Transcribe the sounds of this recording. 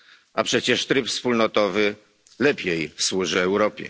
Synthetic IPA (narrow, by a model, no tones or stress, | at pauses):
apʂɛt͡ɕɛʂt̪ɾɘpfspulnɔt̪ɔvɘ | lɛpʲjejswuʐɘɛwɾɔpʲjɛ̰